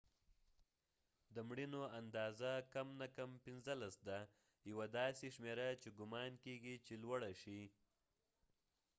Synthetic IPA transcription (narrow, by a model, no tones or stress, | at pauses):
d̪əmɽinoand̪ɑzakamnakampɪnzəlasd̪a | jawad̪ɑseʃmeɾat͡ʃeɡʊmɑnkeɡit͡ʃelwaɽaʃi